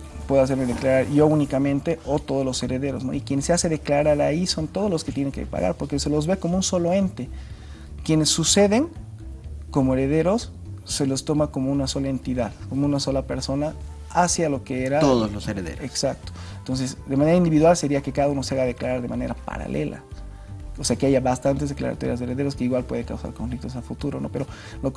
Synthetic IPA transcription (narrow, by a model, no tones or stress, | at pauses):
pwe̞ðoas̬e̞ɾmeðeklaɾaɾjo̞unikamẽ̞nt̪e̞ot̪o̞ðozlo̞se̞ɾe̞ðeɾo̞zno̰ikje̞nsease̞ðeklaɾaɾaiso̞nt̪oð̞ozlosket̪je̞neŋkḛpa̰ɣa̰ɾpo̞ɾkese̞lo̞zβe̞ko̞mounso̞lo̞e̞nt̪e̞ | kje̞ne̞sːuse̞ðe̞ŋ | ko̞moeɾe̞ðe̞ɾo̞sː | e̞lo̞st̪o̞mako̞mo̞unaso̞lae̞nt̪iðaðko̞mounaso̞lape̞ɾso̞na | asjalokeeɾaoðozloseɾeðḛɾoeksak̚t̪o̥ent̪o̞nse̞sd̪e̞maneɾaind̪iβiðwalse̞ɾiake̞kaðauno̞seaɣaðeklaɾaɾðemane̞ɾapa̰ɾa̰lʔḛlʔa̰ | ose̞akeaʝaβast̪ant̪ezðekla̰ɾa̰t̪o̰ɾjazðeɾeðe̞ɾoske̞iɣwalpwe̞ðekawsa̰ɾkoɱflik̚t̪os̬afut̪uɾo̞no̞̰pe̞ɾo̞ | lo